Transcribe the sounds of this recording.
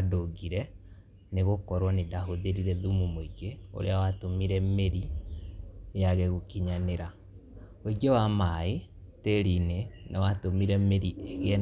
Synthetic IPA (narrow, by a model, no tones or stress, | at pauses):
adoɡiɾɛ | neɣokɔɾwɔnedaɦoðeɾiɾɛðumumoiɡeo̰ɾḛawatomiɾɛmeɾi | jaɣɛɣokiɲaneɾa | wiɡewamae | teɾinenʔawatomiɾɛmeɾieɣɛ